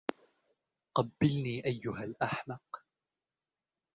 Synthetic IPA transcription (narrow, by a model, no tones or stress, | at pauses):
qɑbːɪlniːʔajːʊɦalʔaħmɑq